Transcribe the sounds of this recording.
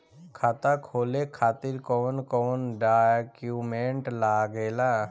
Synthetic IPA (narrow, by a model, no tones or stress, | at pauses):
kʰaːt̪akʰoːlekʰaːt̪ɪɾkɔːnkɔːnɖakjumẽːɳʈlaːɡeːlaː